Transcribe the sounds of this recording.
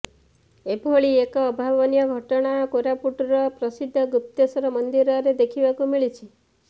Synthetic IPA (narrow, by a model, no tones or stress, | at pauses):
ebʱoɭiekɔːbʱabɔnijɔɡʱɔʈɔɽ̃akoɾapuʈɾɔpɾɔsid̪ʱːɔɡɾup̚t̪esɔɾɔmɔnd̪iɾɔɾed̪ekʰibakumiɭit͡ʃʰi